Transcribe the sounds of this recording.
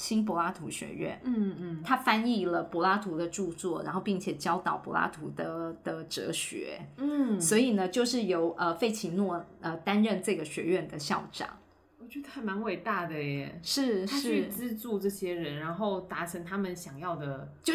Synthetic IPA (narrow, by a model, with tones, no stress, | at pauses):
ɕi˥np̬wɔ˧˥la˥t̪ʰu˧˥ɕɥɛ̰˧˥ɥɛ̰˥˩nn̩˥˧˥t̪ʰa˥fa˥ni˥˩lə˩pwɔ˧˥la˥t̪ʰu˧˥d̪ə˧ʈ͡ʂu˥˧t͡swɔ˥˩ɻa˧˥nxo˥˧ʊpi˥˩ŋt͡ɕʰjɛ˨˩t͡ɕjɑ˥ʊt̪ɑ˨˩ʊpwɔ˧˥la̰˥t̪ʰu˧˥d̪ə˧d̪̥ə˧ʈ͡ʂɤ̰˧˥ɕɥɛ̰˧˥˦n̩˥˩swɔ˧˥i˨˩nə˩˦t͡ɕjo˥˧ʊʂɻ̩˥˩jo˧˥ʊʔə˧fe˥˩ɪt͡ɕʰi˧˥nwɔ˥˩ə˧t̪a˥nɻə˥˧nʈ͡ʂɤ˥˩ɡə˩ɕɥɛ̰˧˥ɥɛ˥˩nd̪ə˩ɕjɑ̰˥˩ʊʈ͡ʂɑ̰˨˩˦ŋ | wɔ˨˩t͡ɕɥɛ˧˥ə˧t̪ʰa˥˩ɪma˧˥nwe˨˩ɪt̪a˥˩d̪ə˩jɛ˨˩ʂɻ̩ʰ˥˩˥ʂʰy˥˩t͡sɹ̩˥t͡su˥˧ʈ͡ʂɤ˥˩ɕjɛ˥ɻə˧˥nɻa˧˥nxo˥˩ʊt̪a˧˥ʈ͡ʂʰə˧˥ŋt̪ʰa˥mə˨nɕjɑ˨˩ŋjɑ˥˩ʊd̪ə˩t͡ɕjo˥˧ʊ